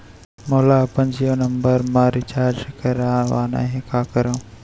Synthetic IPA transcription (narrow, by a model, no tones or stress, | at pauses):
moːlaːpɐ̃nd͡ʒijoːnɐmbəɾmaːɾit͡ʃaːɾd͡ʒkɐɾaːʋaːna̰ɦẽkaːkɐɾõ